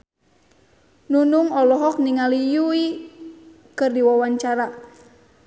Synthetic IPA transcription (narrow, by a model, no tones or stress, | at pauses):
nunuŋɔlɔɦɔk̚niŋalijui | kɨrdiwawaɲt͡ʃaɾa